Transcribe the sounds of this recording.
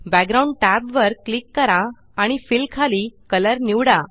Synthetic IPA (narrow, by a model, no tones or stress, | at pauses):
bæɡɾauɳɖʈæbʋəɾklikːəɾã | aɽ̃ifilkʰalikələɾniwɽa